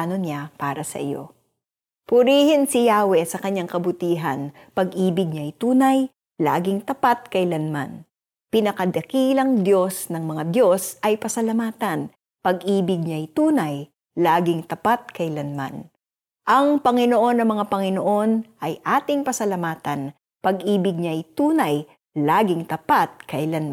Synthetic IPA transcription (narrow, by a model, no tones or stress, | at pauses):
nonapaːɾɐsɐ̰ʔɪ̰jo̰ | pʊɾiːhɪnsɪjaːwɛsɐkɐɲaŋkɐbʊt̪iːɦɐ̰n | pɐɡʔiːbɪɡ̚ɲaɐjt̪uːnɐj | la̰ːɡɪŋt̪ɐpat̪̚kɐjlɐnma̰n | pɪnɐkɐd̪ɐkiːlɐŋd̪jo̞snɐŋmɐŋad̪jo̞sʔɐjpɐsɐlɐmaːt̪ɐn | pɐɡʔiːbɪɡ̚ɲɐɐjt̪uːnɐj | laːɡɪŋt̪ɐpat̪̚kɐɪlɐnma̰n | ʔɐŋpɐŋɪno̞ʔo̞nːɐmɐŋapɐŋɪno̞ʔo̞nʔɐjʔaːt̪ɪŋpɐsɐlɐmaːt̪ɐn | pɐɡʔiːbɪɡ̚ɲɐɐjt̪uːnɐj | laːɡɪŋt̪ɐpat̪̚kɐɪlanm